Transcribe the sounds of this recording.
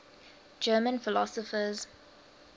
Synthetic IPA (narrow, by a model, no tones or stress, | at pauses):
d͡ʒɜːmə̃nfɪlɔsəfəz